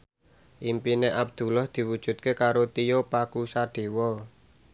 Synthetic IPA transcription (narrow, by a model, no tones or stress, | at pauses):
ʔimpineʔab̚d̪̥ṳlɔhd̪̥i̤wud̥ʒ̥ṳt̪̚kekaɾot̪ijopakusaɖ̪̥e̤wɔ